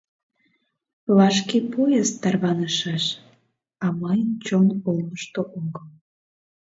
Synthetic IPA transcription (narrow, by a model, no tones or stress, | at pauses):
lɑʃkepojest̪ɑrβɑnəʃɑʃ | ɑmɑjənt͡ɕonolməʃt̪oʔoŋɡəl